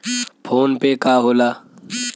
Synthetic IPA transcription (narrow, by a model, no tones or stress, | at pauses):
pʰoːnpekaːɦoːlaː